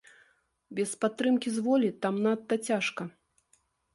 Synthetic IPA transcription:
bʲɛspat̪ːɾɨmkʲizvɔlʲit̪amnat̪ːɐt͡sʲaʂkɐ

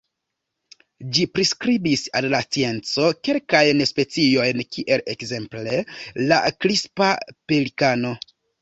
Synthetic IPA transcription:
d͡ʒipɾiskɾibisallast͡sie̞nt͡so̞ke̞lkajnspe̞t͡sio̞jnkʰiʔe̞le̞kze̞mple̞la̰kɾispapelikano̞

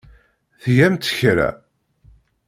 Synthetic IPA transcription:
θʝæmt̪ə̥çɾæ̰

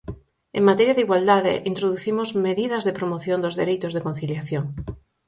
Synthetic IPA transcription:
eŋmat̪eɾjaðeiɣwald̪aðḛʔint̪ɾoðuθimozmeðiðɐzðepɾomoθjond̪ozðeɾejt̪ozðekon̟θiljaθjoŋ

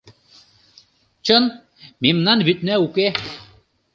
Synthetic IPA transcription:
t͡ɕɤn | mimnɑnβyt̪̚næuke

